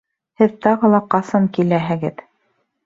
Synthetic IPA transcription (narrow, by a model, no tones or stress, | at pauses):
hɘðt̪ɑʁɤ̆lˠɑqɑsɑŋkilæɦɘ̆ɡɘð